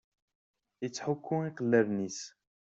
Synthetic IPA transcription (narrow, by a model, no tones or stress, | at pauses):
ət͡sːħʊkʰːʊiqəlːəɾnis